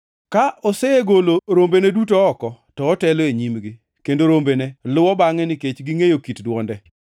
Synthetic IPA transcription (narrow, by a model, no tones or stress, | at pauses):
kaʔɔseeɡoloɾombenedutoɔkɔtɔːtɛloeɲimɡi | kendoɾombenɛlʊwɔbaŋɛnɪket͡ʃɡiŋejokitdwɔndɛ